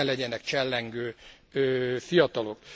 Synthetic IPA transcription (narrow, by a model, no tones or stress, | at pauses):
lɛɟɛnɛkt͡ʃɛlːɛŋɡøː | øːfijɒt̪ɒlok